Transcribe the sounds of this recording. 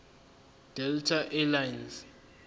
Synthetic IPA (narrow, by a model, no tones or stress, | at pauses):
d̥ɛltʰaʔɛlajnz